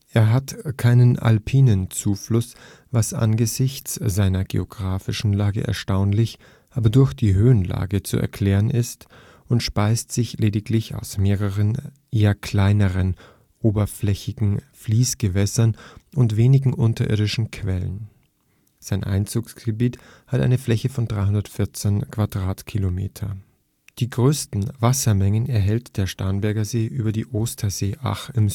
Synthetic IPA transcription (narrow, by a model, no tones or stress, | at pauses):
ʔeːɐɦatkʰaɪnəna̰lpʰiːnənt͡suːflʊs | vasʔa̰nɡəzɪçt͡sz̥aɪnɐɡḛoɡ̥ʁaːfɪʃn̩laːɡə̰ʔɛ̰ɐʃtaʊnlɪç | ʔaːbɐdʊɐçd̥iːɦøːənla̰ːɡət͡sṵʔɛ̰ɐkʰl̥ɛːʁənʔɪst | ʔʊntʃpaɪstz̥ɪçlʔeːdɪklɪça̰ʊsmeːʁəʁən | ʔeːɐkʰl̥aɪnəʁən | ʔoːbɐflɛçɪɡŋ̩fliːsɡ̥əvɛsɐnʔʊntv̥eːnɪɡŋ̩ʔʊntɐʔɪ̰ɐdɪʃn̩kʰv̥ɛlə̰n | z̥aɪnʔa̰ɪnt͡suːksɡ̥əbiːt | hatʔa̰ɪnəflɛçəfɔndʁaɪɦʊndɐtfɪɐt͡senkʰv̥adʁaːtkʰilomḛːtʰɐ | d̥iːɡʁøːstn̩vasɐmɛŋənɛɐɦɛltd̥eːɐʃtaɐnbɛɐɡɐzeːʔyːbɐdiːʔoːstʰɐzeːʔa̰χɪm